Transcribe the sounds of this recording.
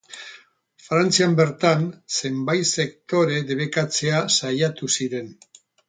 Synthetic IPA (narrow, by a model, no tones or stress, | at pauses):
fɾant͡siambe̞ɾt̪anse̞mbajse̞k̚t̪o̞ɾe̞ðe̞β̞e̞kat͡se̞asajat̪usiɾe̞n